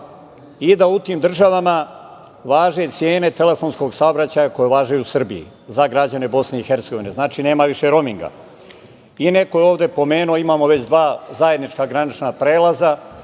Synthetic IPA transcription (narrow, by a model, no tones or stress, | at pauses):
id̪aut̪iːmd̪r̩ʒaʋama | ʋaːʒe̞t̪sje̞ːne̞t̪e̞le̞fo̞nsko̞ɡsaobɾat͡ɕaːjako̞jeʋaːʒeusr̩bijḭ | zaɡɾad͡ʑane̞bo̞sne̞ixe̞ɾt̪eɡo̞ʋine̞znaːt͡ʃine̞ːmaʋiʃe̞ɾo̞miŋɡa̰ | ine̞kojeoːʋd̪e̞po̞me̞ːnuoimaːmo̞ʋet͡ɕd̪ʋaːzaje̞d̪nit͡ʃkaɡɾanit͡ʃnapɾeːlˠaza